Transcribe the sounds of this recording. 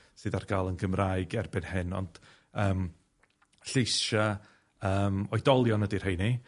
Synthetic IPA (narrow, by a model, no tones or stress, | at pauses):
sɨːdarɡaːlˠənɡəmraːɨɡɛrbɪnhɨnɔ̰nd̥ | əːm | ɬejsa | əːmɔɨdɔlˠjɔnədir̥hejni